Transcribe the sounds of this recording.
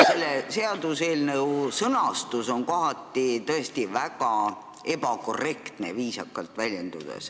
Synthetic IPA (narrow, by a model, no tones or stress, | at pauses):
se̞lːese̞ɑd̪useːlnɤwsɤnɑst̪uso̞nkoɦɑt̪ːˑit̪ɤe̞st̪ivæɡ̥ɑ | e̞bɑko̞rːe̞kt̪ne̞̰viːsɑkːˑɑlt̪vælʲje̞nd̪̥ud̪̥ḛs